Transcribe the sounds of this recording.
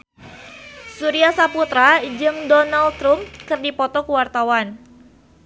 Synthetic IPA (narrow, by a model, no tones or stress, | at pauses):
suɾiasaput̪ɾad͡ʒɨŋdɔnalt̪ɾʊmkɨrdipɔt̪ɔkəwart̪awan